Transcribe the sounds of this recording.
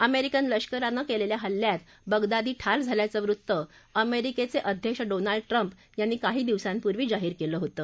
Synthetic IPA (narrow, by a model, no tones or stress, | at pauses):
əmeɾikənləɕkəɾanəkeleljaɦəlːjat̪ | bəɡd̪ad̪iːʈʰaɾd͡zʱaljat͡səʋɾut̪ːə | əmeɾiket͡seʔəd̪ʱjəkɕɖonaɭɖ̚ʈɾəmp | janːiːkaɦiːd̪iʋsãmpuɾʋiːd͡zaɦiːɾkeləːɦot̪əː